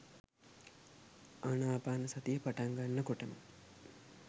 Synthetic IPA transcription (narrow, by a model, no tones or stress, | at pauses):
anaːbaːnɐsɐt̪ijəpaʈaŋɡanːəkoʈəmə̰